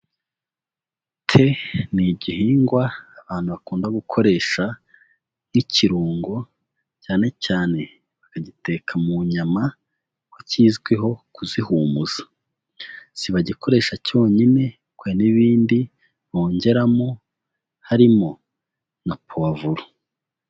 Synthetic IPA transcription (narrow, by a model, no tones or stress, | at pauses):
tʰe̞niɟihiːŋɡwaːβaːnhuβakuːndaɡukʰo̞ɾe̞ːʃa | miciɾuːŋɡo̞ | caːne̞caːne̞ | βakaɟite̞kʰamuɲama | kwociːzɡweɦo̞kuzihuːmuz̥ḁ | siβaɟikʰo̞ɾe̞ːʃaco̞ːɲine̞ | kweniβiːndi | βo̞ːɲɟe̞ɾamo | haɾimo̞ | napʰoavuɾo̥